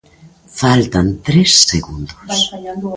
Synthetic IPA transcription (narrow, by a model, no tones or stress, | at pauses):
falt̪ant̪ɾesːeɣund̪os